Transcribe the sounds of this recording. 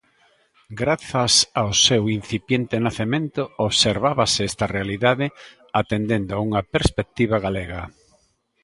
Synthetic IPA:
ɡɾaθɐsawsewin̟θipjent̪enaθemẽnt̪ooβseɾβaβaseɛst̪ɐrealiðaðɪ | at̪end̪end̪oauŋɐpeɾspek̚t̪iβ̞aɣaleɣɐ

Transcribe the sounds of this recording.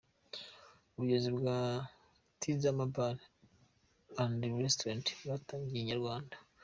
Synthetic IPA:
uβuɟezibɡaː | tʰizamabal | andiɾestɾantwataːɲɡiɲaɾɡwaːndḁ

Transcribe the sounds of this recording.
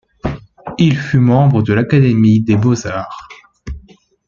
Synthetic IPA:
ilfymɑ̃bʁəd̪əlakad̪emid̪ebozaːʁ

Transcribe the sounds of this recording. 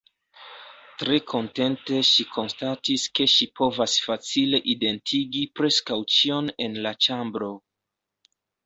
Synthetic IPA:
tɾe̞kʰo̞nte̞nte̞ʃikʰo̞nstatiske̞ʃipʰo̞vasfat͡sile̞ʔide̞ntʰiɡipɾe̞skawt͡ʃio̞ne̞nlat͡ʃambɾo̞

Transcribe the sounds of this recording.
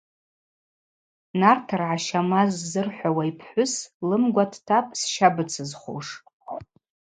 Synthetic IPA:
nartʰarʕaʃamazːɨrħʷawaipʰħʷʊslɨmɡʷatʰtʰapʼsʃabɨt͡sʰɨzχo̰ʂ

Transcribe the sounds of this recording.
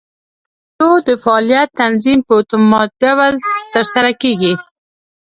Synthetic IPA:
d̪od̪əfaːlijat̪ːanzimpət̪ʊmɑt̪̚d̪awalt̪əɾsaɾakeɡi

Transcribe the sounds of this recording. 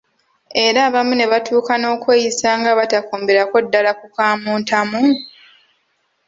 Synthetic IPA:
e̞ɾaːβamune̞βatʰuːkano̞ːkwe̞ːjisaːŋɡaβatakoːmbe̞ɾako̞dːalakukaːmuːntamu

